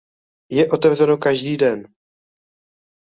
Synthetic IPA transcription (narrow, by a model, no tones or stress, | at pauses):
jɛʔo̞t̪ɛvrɛnokaʒdiːdɛn